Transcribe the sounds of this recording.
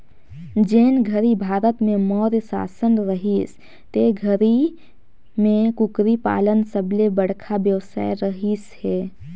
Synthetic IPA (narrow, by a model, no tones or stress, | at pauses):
d͡ʒeːnɡʱəɾibʱaːɾət̪mẽmɔːɾsa̰ːsənɾəɦis | t̪eɡʱəɾi | mẽkʊkɾipa̰ːlənsəblebəɽkʰabjəwsa̰ːjɾəɦishɛː